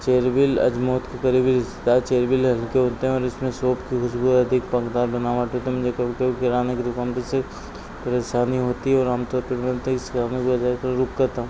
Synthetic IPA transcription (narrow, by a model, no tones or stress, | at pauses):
t͡ʃeːɾbɪlɐ̰d͡ʒmoːt̪kekɐɾiːbiɾɪst̪ɪ̥d̪aːt͡ʃeːɾbɪlɦɐlkeɦoːt̪eɦɛ̃ɔːɾɪsmẽsoːpkixʊʃbuːɾɐd̪ʱɪkpɐkd̪aːɾbɐnaːʋaːʈɦoːt̪emʊd͡ʒʱekɐkɐbikɪɾaːneked̪ʊkaːnt̪ose | pɐɾeʃaːniɦoːt̪iɦɛɔːɾaːmt̪opɐɾʋənt̪ekskaːnõkiɐd͡ʒaːkɐɾʊkkɐɾt̪aːɦũː